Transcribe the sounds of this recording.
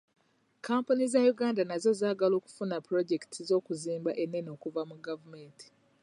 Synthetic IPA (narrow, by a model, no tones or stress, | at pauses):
kaːmpunizajuɡaːndanazo̞zaːɡalo̞ːku̥funapɾo̞ɟektʰizo̞ːkuziːmbaʔenːe̞no̞ːkuvamuɡavumeːntʰi̥